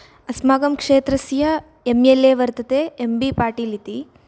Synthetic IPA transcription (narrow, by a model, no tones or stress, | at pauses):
ɐsmaːɡɐmkʂeːt̪ɾɐsjɐ | emeleːʋɐɾt̪ɐt̪eːembipaːɾʈiːlit̪i